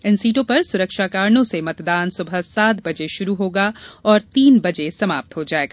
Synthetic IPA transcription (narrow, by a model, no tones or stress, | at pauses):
ɪnsiːʈõpɐɾsʊɾəkʃaːkaːɾnõsemɐt̪d̪aːnsʊbʱəsaːt̪bɐd͡ʒeʃʊɾuɦoːɡaɔːɾt̪iːnbɐd͡ʒesɐmaːp̚t̪ɦod͡ʒaːeːɡaː